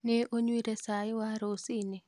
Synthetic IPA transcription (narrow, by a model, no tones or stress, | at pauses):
neʔoɲwiɾesaɪwaɾosine